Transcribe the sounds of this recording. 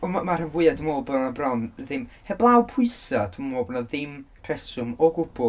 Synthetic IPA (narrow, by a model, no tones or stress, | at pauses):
ɔmamarənvʊɨadəmoːlˠbɔnabrɔnðɪmhɛblˠawpʰʊɨsatʰəmmoːbnɔðɪmpʰrɛsʊmɔɡʊb̥ʊ